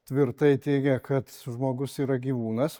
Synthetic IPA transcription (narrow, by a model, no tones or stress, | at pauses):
t̪ʲʋʲɪɾt̪ɐɪt̪ʲɛɪɡʲɛkɐt̪ʒmoːɡʊsiːɾɐɡʲiːʋuːnɐs